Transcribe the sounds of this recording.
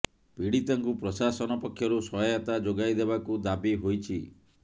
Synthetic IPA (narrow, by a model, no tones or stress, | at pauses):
piɽit̪ɔŋkupɾɔsasɔnɔpɔkʰːjɔɾusɔɔjat̪ad͡ʒoɡajd̪ebakud̪abiɦojt͡ʃʰi